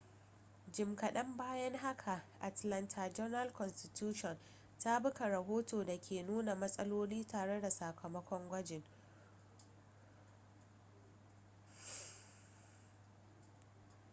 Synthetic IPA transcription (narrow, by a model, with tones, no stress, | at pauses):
d͡ʒɪ˨mkɐ˨ɗɐ˦mbaː˦jɐ˦ŋɦa˦kʰa˨ʔa˨tlɐ˦ntʰa˨d͡ʒɔ˦nɐ˦lkɔ˨nstɪ˨tjuː˦ʃɔ˨n | ta˦bʊ˦ka˨ɾɐ˨ɦoː˦toː˨da˨kʲʰeː˨nuː˦na˨mɐ˦sʼɐ˦loː˦liː˦taː˨ɽe˦da˨sa˨kʰɐ˨mɐ˦kʷɔ˦ŋɡʷɐ˦d͡ʒɪ˨ŋ